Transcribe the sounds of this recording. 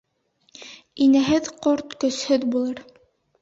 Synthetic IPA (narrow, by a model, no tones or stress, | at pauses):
inɘɦɘðqoɾt̪kɵ̆shɵðbulˠɤɾ